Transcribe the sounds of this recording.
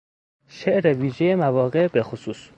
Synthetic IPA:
ʃeʔɾeviːʒejemævɒːɣebexosuːs

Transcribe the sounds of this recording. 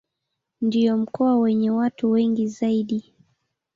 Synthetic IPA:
ndiɔm̩kɔwawɛɲɛwatuwɛŋɡizaiɗi

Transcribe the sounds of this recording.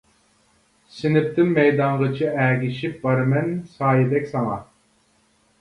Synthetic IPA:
sɪnɪp̚t̪ɪnmɛjd̪ɑɴʁət͡ʃʰiʔæːɡʲiʃip̚bɑɾmɛnsɑːjid̪ɛkʲsɑŋɑ̰

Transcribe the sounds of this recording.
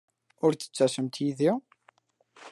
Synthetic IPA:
ʊɾθə̥t͡sːæsəmt̪jiðiʁ

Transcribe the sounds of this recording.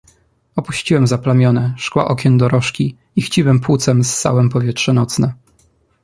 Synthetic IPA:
ɔpuɕt͡ɕiwɛmzaplamʲjɔnɛʂkwa̰ʔɔkʲɛnd̪ɔɾɔʂkʲi | ixt͡ɕiwɛmpwut̪sɛmst̪sa̰wɛmpɔvʲjɛtʂɛnɔt̪snɛ

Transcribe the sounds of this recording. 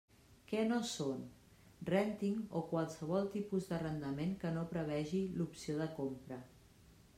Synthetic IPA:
kɛnoson | rɛnt̪iŋokwalˠsəβ̞ɔlˠt̪ipuzðərənd̪əmeŋkənopɾəβ̞ɛʒilupsioðəkompɾə

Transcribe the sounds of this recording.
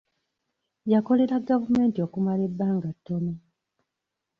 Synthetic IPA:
jako̞le̞ɾaɡavume̞ːntio̞kumale̞bːaːŋɡatːo̞mi

